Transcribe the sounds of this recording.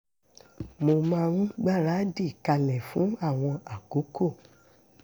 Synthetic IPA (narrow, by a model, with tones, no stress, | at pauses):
mo˧mãː˦˧ɾũ˦ɡ͡ba˦˨ɾa˨˦di˦˨ka˧lɛ̃˨fũ˨˦a˦˨w̃ɔ̃˧a˨ko˨˦ko˦˨